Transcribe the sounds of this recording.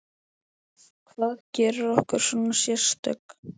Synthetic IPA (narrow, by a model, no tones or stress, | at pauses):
kʰvaːðcɛːɾʏɾɔhkʏɾ̥sɔnasjɛɾ̥st̪œ̰k